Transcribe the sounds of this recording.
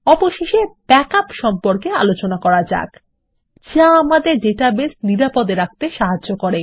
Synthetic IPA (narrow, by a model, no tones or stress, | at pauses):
ɔpoʃeʃebɛkapʃɔmpoɾkea̰lot͡ɕonakɔɾad͡ʑa̰k | t͡ɕaamad̪eɾɖeʈabesniɾapod̪eɾak̚t̪eʃaɦaokoɾe